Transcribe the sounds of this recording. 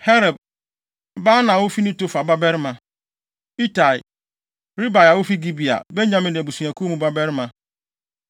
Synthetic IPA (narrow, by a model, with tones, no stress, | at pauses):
hɛ˦ɾɛ˨b̚ | ba˦nã˨wʊ˦fi˦nĩ˦to˦fa˨ba˦bɛ˦ɾmã˨ | i˦ta˨i˨ | ɾi˦ba˨ja˨wʊ˦fi˦ɡi˦bi˨a̰˨bɛ˦ɲã˦mɪ̃˨n˨bu˨su˨a˨kʰu˦mũ˦ba˦bɛ˦ɾmã˨